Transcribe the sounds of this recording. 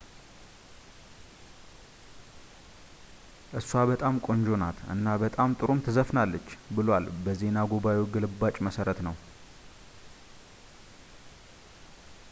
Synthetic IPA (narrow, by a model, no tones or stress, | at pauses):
ʔɨsuabət̪ʼamkʼo̞ɲd͡ʒo̞nat̪ʔɨ̰nːabət̪ʼamt̪ʼɨɾumt̪ʰɨzəfnalːət͡ʃːbɨlwalbəze̞naɡoβaweɡɨlɨbːat͡ʃʼməsəɾət̪nəw